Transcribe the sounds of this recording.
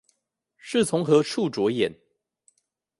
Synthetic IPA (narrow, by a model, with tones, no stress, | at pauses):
ʂɻ̩˥˨t͡sʰʊ˧˦ŋxɤ˨˥ʂʰu˥˨ʈ͡ʂwɔ˧˥˦jɛ˨˩˦n